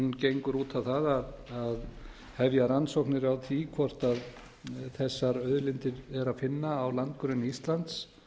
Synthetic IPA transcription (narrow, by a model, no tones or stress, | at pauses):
ncejŋkʏɾuːt̪ʰawθaðaðað | hɛvjaɾansowknɪɾawt̪ʰikʰvɔr̥t̪að | θɛsːaɾœðlɪnt̪ɪɾɛɾafɪnːaːwlant̪̚kʏɾʏnːiist̪lant̪s